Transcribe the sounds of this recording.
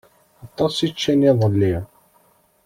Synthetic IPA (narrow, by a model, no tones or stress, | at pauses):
ɑt̪ˤːɑsit͡ʃːæniðˤəlːi